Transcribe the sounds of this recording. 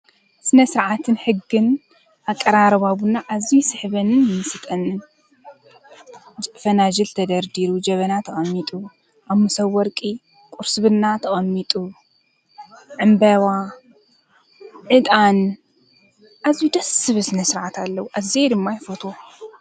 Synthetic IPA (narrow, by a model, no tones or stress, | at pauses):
sɨnɐsɨɾʕat̪ʰɨnħɨɡːɨn | ʔakʼːɐɾaɾɐβaβunaʔazisɨħβɐnɨnmɨsɨt̪ʼɐnɨn | d͡ʒfɐnad͡ʒɨlt̪ʰɐd̪ɐɾd̪iɾud͡ʒɐβɐnat̪ʰɐxʼɐmːit̪ʼu | ʔaβmɨsɐwːɔɾkʼi | kʼuɾsɨβɨnːat̪ʰɐxʼɐmːit̪ʼu | ʕɨmbɐwa | ʕɨd̪ʼan | ʔazid̪ɐsɨβɨsɨnɐsɨɾʕat̪ʰalːɐwuʔazed̪ɨmːajfot̪ʰo